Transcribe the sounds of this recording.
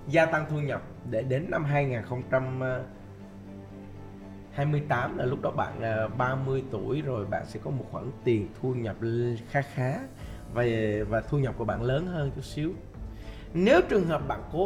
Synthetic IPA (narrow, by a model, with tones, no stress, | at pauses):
zaː˧t̪a˧ŋt̪ʰu˧ɲə˨˩p̚ɗe˧˩ɗe˨˦nːa˧mɦaː˧jŋaː˨˩nxə˧wŋ͡mt͡ɕa˧m˧ | haː˧jmɨ˧əjt̪aː˨˦mlaː˨˩lk͡p̚ɗɔ˨˦ɓa̰ː˧˨nː˨˩ɓaː˧mɨ˧əjt̪u˧˩əjzo˨˩jɓa̰ː˧˨nsɛ̰˧˥kɔ˨˦mo˨˩t̚xwa˧˩nt̪i˨˩ənt̪ʰu˧ɲə˨˩p̚xaː˨˦˥xaː˨˦ | vvaː˨˩t̪ʰu˧ɲə˨˩p̚kəɓa̰ː˧˨nləː˨˦nɦəː˧nt͡ɕu˦˥si˨˦əw | ne˨˦wt͡ɕɨ˨˩əŋɦəː˨˩p̚ɓa̰ː˧˨nko˨˦